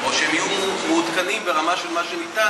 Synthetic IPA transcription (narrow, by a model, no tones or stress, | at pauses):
oʃeemijummeud̪kanimbe̞ʁamaʃelmaʃenit̪a